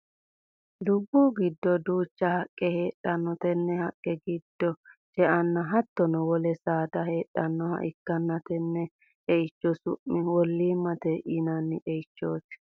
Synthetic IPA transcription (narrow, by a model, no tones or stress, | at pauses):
d̪ʊbːuːɡɪd̪ːɔd̪uːt͡ʃːɐhɐkʼːɛheːɗːɐnːɔt̪ɛnːɛhɐkʼːɛɡɪd̪ːɔt͡ʃɛʔɐnːɐɦɐt̪ːɔnɔwɔlɛsaːd̪ɐheːᶑːɐnːɔhɐ̰ʔɪkːɐnːɐt̪ɛnːɛ | ʔɛɪt͡ʃːɔsʊ̰ʔːɪwɔlːiːmːɐt̪ɛʔɪnɐnːɪʔɛɪt͡ʃːoːs